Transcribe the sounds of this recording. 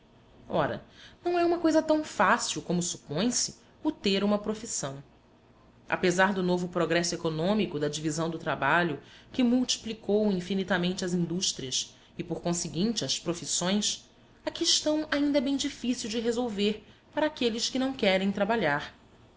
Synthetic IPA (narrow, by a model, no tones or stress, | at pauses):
ɔɾɐ̰nɐ̃w̃ɛũmɐkojzɐt̪ɐ̃w̃fasiwkõmʊsu̥põj̃sɪ̥ | ʊt̪eɾũmɐpɾofisɐ̃w̃ | ʔa̰pezaɾd̪ʊnovʊpɾoɡɾɛsʊekonõmikʊd̪ɐd͡ʒivizɐ̃w̃d̪ʊt̪ɾabaʎʊkɪmuwt͡ʃi̥plikowĩfinit̪amẽnt͡ʃɪɐzĩnd̪uʃt̪ɾiɐs | ɪpoɾkõsɪɡĩnt͡ʃɪɐspɾofisõj̃s | akiʃt̪ɐ̃w̃aĩnd̪ɐbẽj̃d͡ʒifisiwd͡ʒɪɦezowveɾpaɾɐaːkelɪskɪnɐ̃w̃kɛɾẽj̃t̪ɾabaʎaɾ